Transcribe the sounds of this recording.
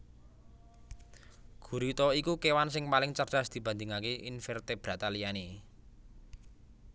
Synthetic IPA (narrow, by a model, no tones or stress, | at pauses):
ɡ̥ṳɾit̪ɔikukewansɪŋpalɪŋt͡ʃərd̥a̤sd̪̥i̤b̥a̤nd̪ɪ̤ŋakeʔinfɛrt̪eb̥ɾat̪alijane